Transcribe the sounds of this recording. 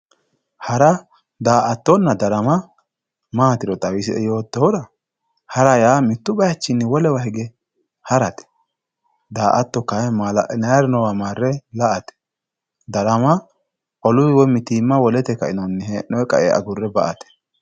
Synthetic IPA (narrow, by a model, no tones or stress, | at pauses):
hɐɾɐ | d̪aːʔɐt̪ːɔnːɐd̪ɐɾɐmɐ | maːt̪ɪɾɔt̪ʼɐwɪsɪɛ̰jo̞ːt̪ːɔhɔɾɐ | hɐɾɐjaːmɪt̪ːʊbɐjɐt͡ʃːɪnːɪwɔlɛwahɛɡɛ | hɐɾɐt̪ɛ̥ | d̪aːʔɐt̪ːɔkːaɛmalɐʔnɐjaɾɪnɔwamaːrːɛlɐʔɐt̪ɛ̥ | d̪ɐɾɐmɐ | ʔɔlʊwɪwɔmɪt̪iːmːɐwɔlɛt̪ɛkːɐɪnɔnːɛɦeːnɔɛkʼɐ̰ʔɛ̰ʔɐ̰ɡʊrːɛbɐʔɐt̪ɛ̥